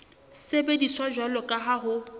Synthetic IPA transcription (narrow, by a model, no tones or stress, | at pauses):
sebediswaʒwalɔkʼaɦaɦʊ